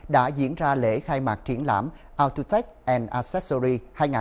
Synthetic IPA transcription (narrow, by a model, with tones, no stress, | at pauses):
ɗa̰ː˧˥zḭ˧˥ənzaː˧lḛ˧˥xaː˧jmaː˨˩k̚t͡ɕi˧˦ənla̰ː˧˥mʔaː˧wt̪u˧t̪ɛ˦˥k̚ʔɛ˧nʔaː˧sɛ˦˥sɔ˧zi˧haː˧jŋaː˨˩